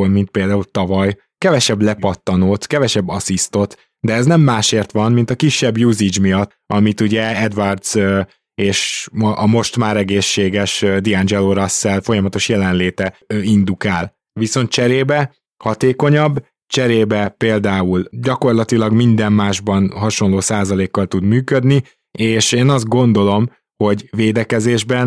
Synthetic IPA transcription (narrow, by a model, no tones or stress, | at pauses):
lmint̪̚peːld̪aːult̪ɒvɒj | kɛvɛʃɛblɛpɒt̪ːɒnoːt̪kɛvɛʃɛbːɒsist̪o̞t̪ | d̪ɛːznɛmːaːʃeːrt̪ʋɒnmint̪ɒkiʃːɛbjuːzid͡ʒmijɒt̪ːɒmit̪uɟɛɛd̪vɒrd̪z̥ø | eːʃmʔɒmo̞ʃt̪maːɾɛɡeːʃːeːɡɛʃd̪iɛnd͡ʒɛloɾɒsːɛlfo̞jɒmɒt̪o̞ʃjɛlɛnleːt̪ɛind̪ukaːl | ʋiso̞nt̪̚t͡ʃɛɾeːbɛ | hɒt̪eːko̞ɲɒbː | t͡ʃɛɾeːbɛpeːld̪aːulɟɒko̞rlɒt̪ilɒɡmind̪ɛmːaːʒbɒnɦɒʃo̞nloːsaːzɒleːkːɒlt̪ud̪myːkød̪ni | eːʃeːnɒzd̪̚ɡo̞nd̪o̞lo̞m | ho̞ɟveːd̪ɛkɛzeːʒbɛn